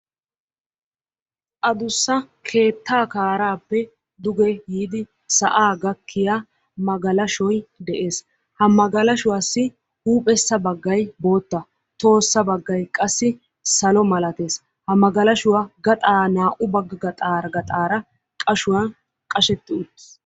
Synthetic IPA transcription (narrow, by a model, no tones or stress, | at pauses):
ʔɐd̪ʊsːɐkʰe̞ːt̪ːaːkaːɾaːpːɛ | d̪ʊɡɛjiːd̪ɪ | sɐʔaːɡɐkʰːɪja | mɐɡɐlɐʃɔjd̪ɛʔe̞ːs | hɐmɐɡɐlɐʃʊwaːsːɪ | huːpʼɛsːɐbɐɡːɐjbo̞ːt̪ːɐ | t̪o̞ːsːɐbɐɡːɐjkʼɐsːɪ | sɐlɔmɐlɐt̪e̞ːs | hɐmɐɡɐlɐʃʊwaɡɐt̪ʼaːnaːʔʊbɐɡɡɐt̪ʼaːɾɡɐt̪ʼaːɾɐ | kʼɐʃʊwɐn | kʼɐʃɛt̪ːɪʊt̪ːɪ̥